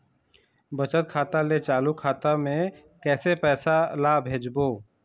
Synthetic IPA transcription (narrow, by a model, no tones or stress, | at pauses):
bɐt͡ʃət̪̚kʰaːt̪alet͡ʃaːlukʰaːt̪amẽ | kɛːsepɛːsalaːbʱeːd͡ʒboː